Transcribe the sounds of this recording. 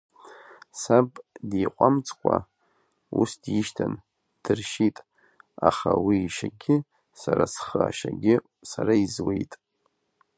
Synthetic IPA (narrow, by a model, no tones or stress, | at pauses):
sabʼdiːqʷʼamt͡sʰʼkʷʰʼa | usdjiʃtʰan | d̥ɨrʃitʼ | aχawiːʃaɡʲɪ | saɾasχəaʃaɡʲɪ | saɾaizwejtʼ